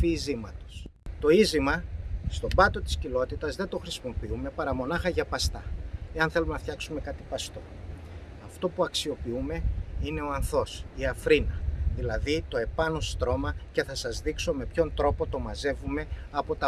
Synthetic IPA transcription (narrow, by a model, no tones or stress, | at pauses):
fiizimɐt̪o̞̥st̪o̞izimɐst̪o̞bɐt̪o̞t̪i̥scilo̞t̪it̪ɐzðe̞t̪o̞xɾisimo̞piume̞pɐɾɐmo̞nɐxɐʝɐpɐst̪ɐe̞ɐnθe̞lumenɐft̪çɐksume̞kɐt̪ipɐst̪o̞ | ɐft̪o̞puɐksio̞piume̞ine̞o̞ɐnθo̞siɐfɾinɐðilɐðit̪o̞e̞pɐno̞st̪ɾo̞mɐce̞θɐsɐzðikso̞me̞pço̞nt̪ɾo̞po̞t̪o̞mɐze̞vume̞ɐpo̞t̪ɐ